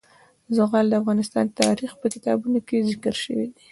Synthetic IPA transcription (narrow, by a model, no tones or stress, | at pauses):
zʊɣald̪əafɣɑnɪst̪ɑ̰nt̪ɑ̰ɾixpəkɪt̪ɑ̰bunokezɪkɾʃə̰wḭd̪i